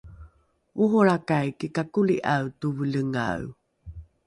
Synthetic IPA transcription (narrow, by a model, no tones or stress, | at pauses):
uɦoɭakajkikakuliʔawtuvələŋa̰w